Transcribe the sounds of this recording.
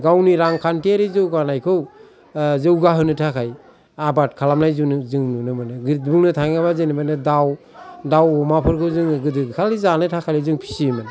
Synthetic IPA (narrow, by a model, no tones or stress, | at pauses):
ɡawniɾaŋkʰantiaɾizɯwɡanajkʰɯw | zɯwɡaɦɯnɯtʰakʰaj | abat̚kʰalamnajzunzɯŋnunɯmɯnɯɡtbuŋnɯtʰaŋabazenɯmanɯdaw | dawɔmapʰɯɾkʰɯwzɯŋɡɯdɯkʰalizanɯtʰakʰalizɯŋpʰi̥simɯn